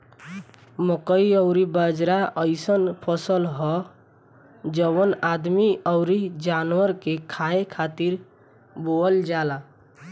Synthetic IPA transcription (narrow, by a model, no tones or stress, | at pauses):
məkəiəʊɾibəd͡ʒɾaʔəɪsənpʰəsəlɦɔ | d͡ʒəwənad̪miəʊɾid͡ʒanwəɾkekʰaẽkʰat̪iɾ | boəld͡ʒala